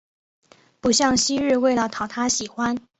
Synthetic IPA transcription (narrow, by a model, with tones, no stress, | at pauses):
pu˨˩ɕjɑ˥˩ŋɕi˥ɻɻ̩˥˧we˥˩ɪlə˩t̪ʰɑ˨˩ʊt̪ʰa˥ɕi˨˩xwa˦n